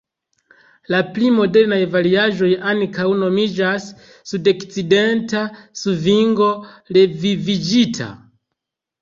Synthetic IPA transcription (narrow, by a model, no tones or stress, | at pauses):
laplimo̞de̞ɾnajvaɾiaʒo̞jankawno̞mid͡ʒasː | udokt͡side̞ntasuviŋɡo̞le̞vivid͡ʒitʰa̰